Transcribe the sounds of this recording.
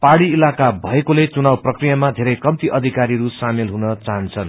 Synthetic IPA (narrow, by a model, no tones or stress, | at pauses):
paɽiilakabʱʌekolet͡sunawprʌkrijamad̪ʱeɾʌjkʌmt̪iʔʌd̪ʱikaɾiɾusamilɦunʌt͡saɦʌnt͡sʰʌn